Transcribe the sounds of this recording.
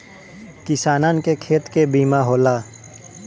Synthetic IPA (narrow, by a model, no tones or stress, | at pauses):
kɪsaːnaːnkekʰeːt̪kebiːmaɦoːlaː